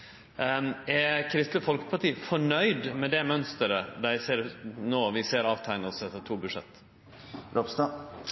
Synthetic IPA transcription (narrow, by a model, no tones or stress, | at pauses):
ɛkʰɾɪst̪ləfɔlkə̥pʰɑʈiːfɔɳœʏd̪mɛd̪ɛmœnst̪əɾəd̪æɪseːɾnoːʋɪseːɾɑːʋt̪ʰæɪnəsɛt̪ːət̪ʰuːbʉʂɛ̰t̪ː | ɾopst̪ɑ